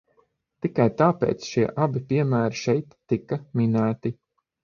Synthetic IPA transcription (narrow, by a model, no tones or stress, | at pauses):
t̪ikajt̪aːpḛːt̪sʃiɛʔabipʲiɛmæːɾiʃɛjt̪ːikɐminæːt̪i